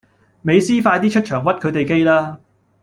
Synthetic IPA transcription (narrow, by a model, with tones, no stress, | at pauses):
me˨˧jsiː˥faː˧jt̪iː˥t͡ʃʰɵ˥t̚t͡ʃʰœː˨˩ŋwɐ˥t̚kʰɵ˨˧ɥt̪e˨jke˥jlaː˥